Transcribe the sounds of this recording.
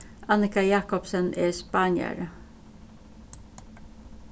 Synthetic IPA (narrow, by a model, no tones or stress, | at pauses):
ʔɑnɪkɑjɑːkɔpsənʔeːspɑːnjə̰ɾə